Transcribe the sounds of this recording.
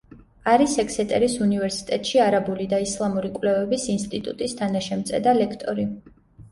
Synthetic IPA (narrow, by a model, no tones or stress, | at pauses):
aɾisɛkʰsɛt̪ʼɛɾisunivɛɾsi̥t̪ʼɛt̪ʼʃiaɾabulid̪aislˠamuɾikʼwlɛvɛbisinst̪ʼit̪ʼṵt̪ʼist̪ʰanaʃɛmt̪sʼɛ̰d̪alɛkʰt̪ʼɔɾi